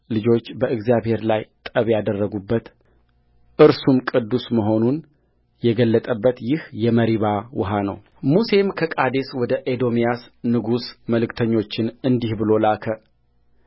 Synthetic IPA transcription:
lɨd͡ʒo̞t͡ʃːbəɨɡzjaβhe̞ɾlajt̪ʼəβjad̪ərːəɡubːət̪ | ʔɨɾsumkʼɨd̪ːusməɦo̞nun | jɛɡəlːət̪ʼəbːət̪jɪhjɛməɾiβawʊɦanə̰w | muse̞mkʰəkʼad̪eswɔd̪əʔed̪o̞mijasnɨɡusməlɨkt̪ʰəɲːo̞t͡ʃːɪnɨnd̪ihbɨlo̞lakʰə

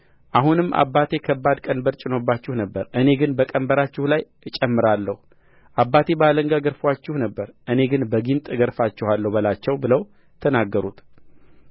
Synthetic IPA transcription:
ʔahunɨmːʔa̰bːat̪ʰe̞kʰəbːad̪kʼənbəɾt͡ʃʼɪno̞bːat͡ʃːɪhnəbːəɾʔɨne̞ɡɨnbəkʼəmbəɾat͡ʃːɪhlaj | t͡ʃʼɛmːɨɾalːəhu | ʔabːat̪ʰe̞bəaləŋɡaɡəɾfwat͡ʃːɪhnəbːəɾʔɨne̞ɡɨnbəɡint̪ʼɡəɾfat͡ʃːɪhalːəwbəlat͡ʃːɛwbɨləw | t̪ʰənaɡːəɾut̪

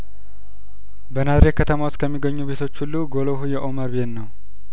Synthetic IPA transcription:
bənazɾekʰːət̪ʰəmawost̪kʰəmːiɡəɲːuβe̞t̪ʰo̞t͡ʃːhulːuɡo̞loɦujɛʔo̞məɾbe̞t̪nəw

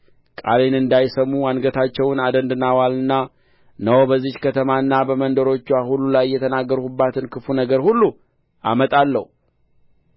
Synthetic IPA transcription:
kʼa̰le̞nɨnd̪ajsəmːuanɡət̪ʰat͡ʃːɛwnad̪ənd̪ɨnawalɨnːa | nəwbəzːihkʰət̪ʰəmaɨnːabəmənd̪əɾo̞t͡ʃːuahulːulajːɛt̪ʰənaɡːəɾhubːat̪ʰɨnkʰɨfunəɡəɾhulːu | ʔa̰mət̪ʼalːə̰hu

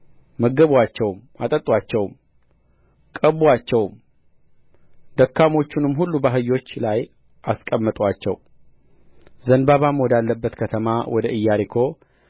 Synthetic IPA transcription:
məɡəβwat͡ʃːɛwm | at̪ʼət̪ʼːwat͡ʃːɛwm | kʼəβuat͡ʃːɛwm | d̪əkːamo̞t͡ʃːunɨmːɦulːubəɦɨjːo̞t͡ʃːlaj | ʔaskʼəmːət̪ʼwat͡ʃːɛw | zənbaβamwɔd̪alːəbːət̪kʰət̪ʰəmawʔɔd̪əʔɨjːaɾikʰo̞

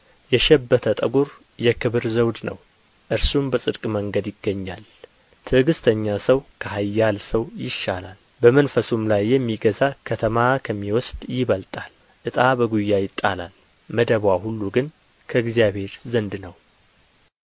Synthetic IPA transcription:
jɛʃɛbːət̪ʰət̪ʼəɡuɾ | jɛkʰɨβɨɾzəwd̪nə̰w | ʔɨɾsumbəsʼɨd̪kʼməŋɡəd̪jɪɡːəɲːal | t̪ʰɨɡɨst̪ʰəɲːasəwkʰəhajːalsəwjɪʃːalal | bəmənfəsumlajːɛmːiɡəzakʰət̪ʰəmakʰəmːiwɔsd̪jɪβəlt̪ʼal | ʔɨt̪ʼabəɡujːajɪt̪ʼːala̰l | məd̪əβwahulːuɡɨn | kʰəɨɡzijaβhe̞ɾzənd̪nəw

